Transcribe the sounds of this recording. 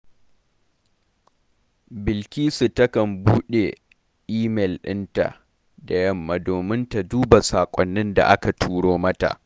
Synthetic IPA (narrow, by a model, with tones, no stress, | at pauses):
bɪ˨lkʲiː˦su˨tɐ˦kɐ˨mbuː˦ɗe˨ | ʔiː˦mɛ˨lɗɪ̰˦nta̰˨ | da˨jɐ˦mːa˨doː˨mɪ˦nta˨duː˦ba˨saː˨kʷʼɔ˨nːɪ˦nda̰˨ʔa˦ka˨tʰuː˦ɽoː˦mɐ˦ta̰˨ʔ